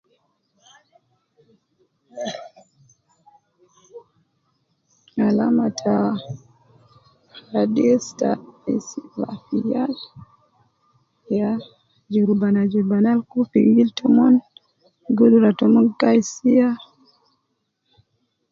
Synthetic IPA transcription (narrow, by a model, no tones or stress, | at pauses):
alamatʰa | hadista̰isiva̰fijal | ja | d͡ʒuɾbanad͡ʒuɾbanalkufḭwiltʰɔmɔn | ɡuluɾatɔmɔɡajsija